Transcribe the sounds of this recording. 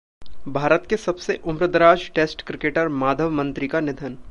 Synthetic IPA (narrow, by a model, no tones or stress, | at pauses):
bʱaːɾət̪kesɐbseʔʊmɾəd̪əɾaːd͡ʒʈeːsʈkɾɪkeːʈəɾmaːd̪ʱəʋmɐ̃nt̪ɾikanɪd̪ʱən